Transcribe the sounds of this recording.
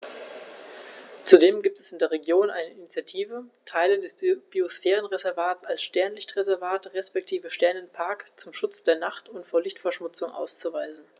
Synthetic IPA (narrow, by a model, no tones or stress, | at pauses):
t͡sudeːmɡiːp̚tɛsɪndeːɐʁ̞eɡjoːnʔa̰ɪnəɪnit͡sjatʰiːvətʰaɪlədɛsb̥iosfɛːʁənʁezɛɐvaːtt͡salsʃtɛɐnlɪçtʁ̥ezɛɐvaːtʁɛspɛk̚tʰiːvəʃtɛɐnənpʰaɐkt͡sʊmʃʊt͡sd̥eːɐnaχtʰʊntfoːɐlɪçtfɛɐʃmʊt͡sʊŋʔa̰ʊst͡suvaɪzn̩